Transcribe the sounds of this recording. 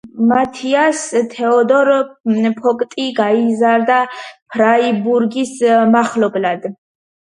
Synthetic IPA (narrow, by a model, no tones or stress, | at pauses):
mat̪ʰiast̪ʰɛɔd̪ɔɾpʰɔkʼt̪ʼiɡaizaɾd̪apʰɾaibuɾɡismaχlɔblad̪